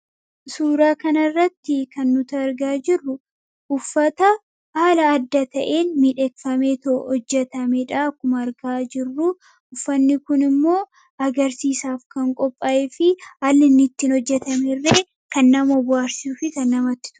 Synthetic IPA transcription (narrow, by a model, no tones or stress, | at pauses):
suːɾaːkɐnɐrːɐt̪ːɪkɐnːʊt̪ɐːɾɡaːd͡ʒɪrːʊ | ʔʊfːɐt̪ɐ | haːlɐːd̪ːɐt̪ɐʔeːnmiᶑekfɐmet̪oɔd͡ʒːɛt̪ɐmɛᶑaːkːʊmɐːɾɡaːd͡ʒɪrːʊ | ʊfːɐnːɪkʊnɪmːo̞ː | ɐɡɐɾsiːsaːfkɐŋkʼɔpʼːɐʔefɪɐlːɪnːɪt̪ːinɔd͡ʒːɛt̪ɐmɛrːeː | kɐnːɐmɔbʊaːɾsisuːfɪkɐnːɐmɐt̪ːɪ̥t̪ʊ̥